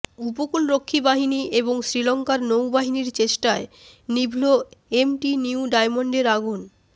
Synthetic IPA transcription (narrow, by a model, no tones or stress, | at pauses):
upokulɾokʰːibaɦiniʔeboŋsɾilɔŋkaɾnowbaɦiniɾt͡ɕeʃʈae | nibʱloemʈiniuɖajmoɳɖeɾaɡun